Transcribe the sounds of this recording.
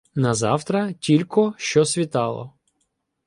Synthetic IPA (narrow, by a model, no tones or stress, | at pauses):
nɐzɑwt̪ɾɐtʲilʲkɔʃt͡ʃɔsʲʋʲit̪ɑlˠɔ̰